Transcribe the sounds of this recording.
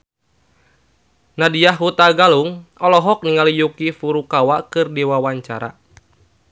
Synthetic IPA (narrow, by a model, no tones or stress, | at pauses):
nadijaɦɦut̪aɡaluŋɔlɔɦɔk̚niŋalijukifuɾukawakɨrdiwawaɲt͡ʃa̰ɾa̰